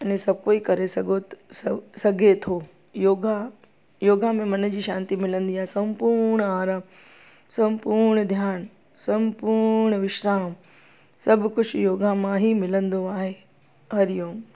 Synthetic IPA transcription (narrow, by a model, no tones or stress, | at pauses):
ɐnẽsɐbkoːikɐɾesɐɡʱossɐɡʱet̪ʰoː | joːɡa | joːɡamẽmɐnd͡ʑiːʃãːnt̪imɪlə̃nd̪iaːɦesɐ̃mpuːɾɾɳ̃aːɾaːm | sɐ̃mpuːɾɳ̃d̪ʱjaːn | sɐ̃mpuɾɳ̃əʋɪʃɾaːm | sɐbʱkʊd͡ʑʰjoːɡʱamãɦimɪlə̃nd̪oaːɦe | ɦɐɾɪjõː